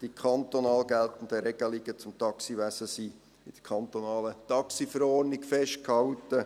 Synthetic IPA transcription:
d̥ikʰɑnt̪onɑːlɡæltən̩dəɾɛɡəliɡət͡sʊmtɑksiʋæsəsiː | ɪd̥əkʰɑnt̪onɑːlət̪ɑksifəɾɔːɾnɪkfɛʃt̚khɑʊtə

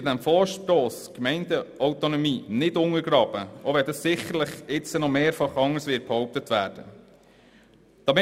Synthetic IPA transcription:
ɾdæmfɔːɾʃtoːskmɛɪndəʔɔwtonɔmiːnɪdʊŋəɾɡɾɑːb̥əʔoʋɛdɑssɪχəɾləχɪt͡sənɔmeːɾfɑχɑŋːəɾsʋɪːt̚b̥hɔʊp̚tətʋæ̰ːɾd̥ə | d̥ɑːmɪ

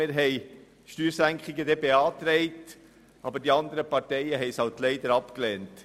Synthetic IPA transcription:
ɪːɾɦɛɪ | ʃtyːɾsæŋkχɪɡəd̪ɛbeɑːt̪ɾɛɪt | ʔɑbəɾdiɑnd̪əɾəpɑɾtɛjəɦɛɪshɑltlɛɪd̪əɾɑpklɛːnt

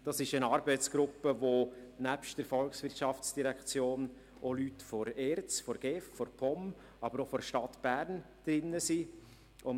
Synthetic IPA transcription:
d̥ɑsɪʃənɑːɾbɛɪt͡sɡ̥ɾʊpːəvonæpʃtd̥əɾfɔlksʋɪrtʃɑft͡sd̥iɾɛkt͡sjoːn | ʔolytfɔɾɛːɾt͡sfɔɾɡ̥ɛːffɔɾpʰɔm | ɑbəɾofɔɾʃtɑtb̥æːɾn | d̥ɾɪnːəsi | ʊn

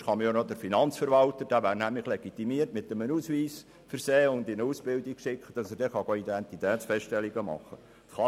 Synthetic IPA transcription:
χɑməjonod̥̪əɾfinɑnt͡sfəɾʋɑltəɾd̥æːʋæːɾnæmləχleɡ̥it̪imiərtmɪt̪əmənuːsʋiːs | fəɾseːʊnd̪ɪnəuːsb̥ɪldikʃɪkχəd̥ɑsədɛχɑɡoid̪ɛnt̪it̪ɛːt̪sfɛsttɛlːiɡəmɑ̰χːə | χɑ

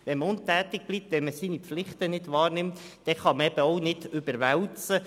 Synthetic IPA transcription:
ʋɛnməʊntæːt̪ɪɡ̚b̥liːp̚t̪ʋɛnməsiːnipflɪχtənɪdʋɑːɾnɪmt̪ | d̥ɛχɑməɛb̥əɔʊnɪdʏbəɾʋɛwt͡sə

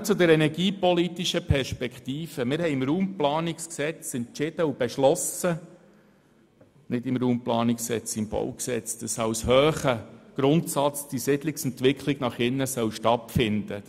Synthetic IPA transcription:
t͡sʊd̪ɛɾɛnɛɾɡiːpɔlit̪iʃəpʰɛɾʃpɛkχt̪iːfəmɪːɾhɛɪmɾuːmplɑːnɪksksɛt͡sɛnt͡ʃɪd̥əub̥ɛʃlɔsə | nɪdɪmɾuːmplɑːnɪkssɛ̰t͡sɪmb̥ɔ̰wksɛt͡sd̥ɑsɑwshœːχəɡ̥ɾʊnt̪sɑt͡sd̥isɪdlɪksɛntʋɪkχlɪɡ̥nɑχɪnːəsœwʃtɑtfɪnd̥ə

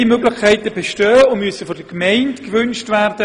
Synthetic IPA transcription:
imøɡlɪχkʰɛɪtəbɛʃtøːəʊnmyəsəfɔd̥əkmɛɪntkʋʏnʃtværd̥ə

